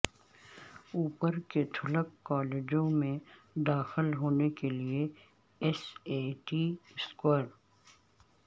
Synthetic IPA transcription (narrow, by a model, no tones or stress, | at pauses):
uːpəɾket̪ʰʊləkːɔːleːd͡ʒõmẽ | d̪aːxɪlɦoːnekelie | ɛseːʈiskəɾ